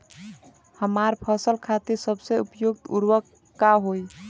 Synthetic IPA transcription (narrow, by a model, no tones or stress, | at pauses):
həmaɾpʰəsəlkʰat̪iɾsəbseupjoɡ̚t̪uɾwəkː | aɦoj